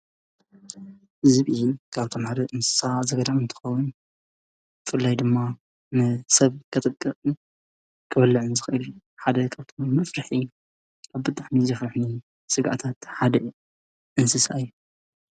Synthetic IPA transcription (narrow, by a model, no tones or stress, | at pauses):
hɨzβijikʰaβt̪ʰo̞mħad̪ɐʔɨnsɨ̥sazɐɡɐd̪amɨnt̪ʰɨ̥xɐwːʊn | bɨfɨlːajd̪ɨmːa | nɨsɐβkʰɐt̪ʼɨkʼːɨsʼɨn | kʰɨbɐlːɨʕɨnzɨxɨʔɨlu | ħad̪ɐkʰaβt̪ʰomːɐfɾɨħi | kʰaβbɨt̪ʼaħmizɐfɾɨħni | sɨɡaʔat̪ʰat̪ħad̪ɐ | ʔɨnsɨsa̰ɨjːu